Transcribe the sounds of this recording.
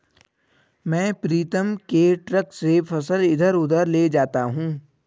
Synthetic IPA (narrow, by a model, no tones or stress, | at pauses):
mɛ̃ːpɾiːt̪əmkeʈɾəksepʰɐsəlɪd̪ʱəɾʊd̪əɾled͡ʒaːt̪aɦũː